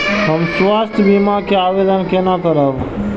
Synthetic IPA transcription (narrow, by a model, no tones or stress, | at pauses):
ɦəmswaːst̪ʰjbimakeaːʋed̪ənkenakəɾaʋ